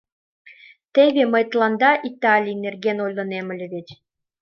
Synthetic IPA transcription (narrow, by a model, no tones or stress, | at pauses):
t̪eβʲeməjt̪lˠɑnd̪ɑʔit̪ɑlʲinerɡʲenojlɤ̆nemɘ̆lʲĕβʲet͡ɕʲ